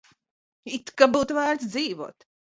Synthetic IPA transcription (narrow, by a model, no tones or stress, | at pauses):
it̪kabuːt̪væːɾt̪sd̪ziːvṵɔt̪